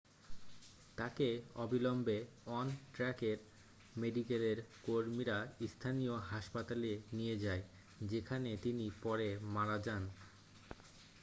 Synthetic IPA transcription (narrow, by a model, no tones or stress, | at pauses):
t̪akeɔbilombe | ɔnʈɾɛkeɾ | meɖikeleɾkoɾmiɾaist̪ʰanijoɦaʃpat̪alenijed͡ʑae | d͡ʑekʰanet̪inipɔɾemaɾad͡ʑan